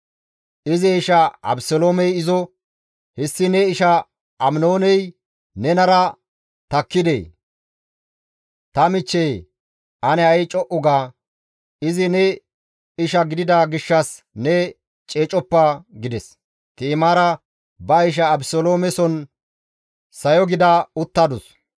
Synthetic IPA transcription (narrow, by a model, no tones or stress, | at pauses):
ʔɪzɪɪʃɐɐ̰bsɔloːmɛjɪzɔ | hɛsːɪnɛɪʃɐ | ɐmnoːnɛj | nɛnɐɾɐ | t̪ɐkːɪd̪ḛː | t̪ɐmɪt͡ʃːɛj | ʔɐnɛɐjt͡ʃʼɔʔʊɡaː | ɪzɪnɛ | ɪʃɐɡɪd̪ɪd̪ɐɡɪʃːɐs | nɛ | t͡ʃʼeːt͡ʃʼɔpːɐɡɪd̪ɛs | t̪iːmaːɾɐ | bɐɪʃ̬ɐːbsoloːmɛsɔn | sɐjɔɡɪd̪ɐʊt̪ːɐd̪ɔs